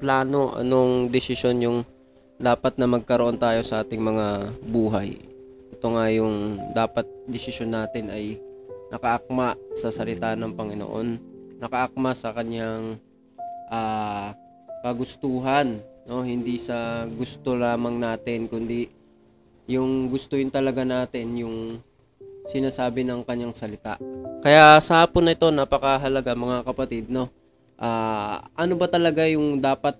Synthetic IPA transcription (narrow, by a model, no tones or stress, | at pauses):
plaːno̞ʔɐ̰no̞ŋd̪ɪsɪʃo̞njʊŋ | d̪aːpɐt̪̚nɐmɐɡ̚kɐɾoʔo̞nt̪aːjo̞sɐʔaːt̪ɪŋmɐŋabuːɦaj | ʔɛt̪o̞ŋajʊŋd̪aːpɐt̪̚d̪ɛsɪʃo̞nːaːt̪ɪnɐj | nʔɐkɐʔɐk̚masɐsɐlɪt̪aːnɐŋpɐŋɪno̰ʔo̞̰nːɐkɐʔɐk̚masɐkɐɲjaŋ | ʔaː | kɐɡʊst̪uːɦɐnːo̞hɪnd̪isɐɡʊst̪o̞laːmɐŋnaːt̪ɪnkʊnd̪i | jʊŋɡʊst̪ohɪnt̪ɐlɐɡanaːt̪ɪnjʊŋ | sɪnaːsaːbɪnɐŋkɐɲjaŋsɐlɪt̪a̰ʔkɐjasɐhaːpʊnːɐʔɪt̪o̞napɐkɐɦɐlɐɡamɐŋakɐpɐt̪id̪̚no̞ | ʔaːʔɐno̞bɐt̪ɐlɐɡajʊŋd̪aːpɐt̪̚